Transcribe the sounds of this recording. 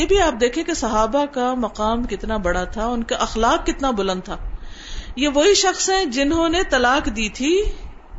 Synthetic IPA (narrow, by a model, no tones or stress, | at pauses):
jebʱiaːp̚d̪eːkʰiẽkesɐɦaːbakamɐqaːmkɪt̪nabɐɽat̪ʰaʊnkaʔɐxlaːq̚ːɪt̪nabʊlə̃nd̪̚t̪ʰaː | jeʋoɦiʃɐxsɦɛ̃d͡ʒɪnɦõːnet̪ɐlaːqd̪iːt̪ʰiː